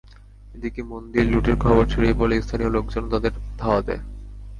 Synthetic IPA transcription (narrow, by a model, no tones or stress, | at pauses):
ed̪ikemond̪iɾluʈeɾkʰɔboɾt͡ɕʰiɾebolest̪ʰaniolok̚d͡ʑonːot̪ad̪eɾd̪ʱaoad̪ḛ